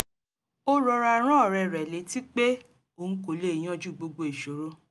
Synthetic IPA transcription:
o˦ɾɔ˧ɾa˧˨ɾ̃ã˦˨ɾɛ˧˨ɾɛ˨le˨˦ti˦k͡pe˦ | o˨n̩˦ko˨le˦i˨j̃ɔ̃˦d͡ʒu˦˨ɡ͡bo˧ɡ͡bo˧e˨ʃo˨˦ɾo˦

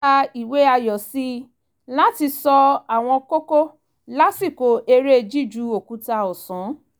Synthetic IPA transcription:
a˧i˨we˨˦a˧jɔ˨si˦ | la˦ti˧sɔ˧a˨w̃ɔ̃˧ko˦ko˦ | la˦si˦˨ko˨˦e˧ɾe˦˧d͡ʒi˦˨d͡ʒu˨˦o˨ku˨˦ta˧ɔ˨sɔ̃˨˦

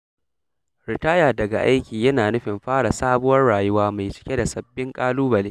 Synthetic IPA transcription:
ɾɪ˨taː˦jaː˨dɐ˨ɡa̰˨ʔa˦jkʲiː˨jɐ˦naː˨nʊ˦ɸɪ˨mɸaː˦ɽa˨saː˦bʊ˦wɐ˦rɽaː˨jʊ˦waː˦ma˨jt͡ʃɪ̥˦kʲe˦da˨sɐ˨bːɪ˦ŋkʼaː˦luː˦bɐ˨leː˦

